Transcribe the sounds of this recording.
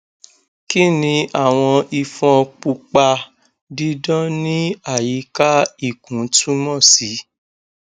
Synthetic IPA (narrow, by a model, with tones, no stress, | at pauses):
ki˦nĩ˧ʔa˦˨w̃ɔ̃˧i˧fɔ̃˧k͡pu˧k͡pa˧ | di˦dɔ̃˦nĩ˦a˦˨ji˨˦ka˦i˦˨kũ˨˦tu˦mɔ̃˦˨si˨˦